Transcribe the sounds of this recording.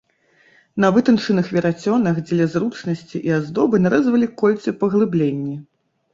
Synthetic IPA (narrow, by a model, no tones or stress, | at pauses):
nɐvɨt̪ɐnt͡ʂɨnɨxvʲɛɾat͡sʲɔnɐxd͡zʲlʲɐzrut͡ʂnɐsʲt͡sʲiʔiazd̪ɔbɨnaɾɛzvɐlʲikɔlʲt̪sɨpɐɣlˠɨblʲenʲːi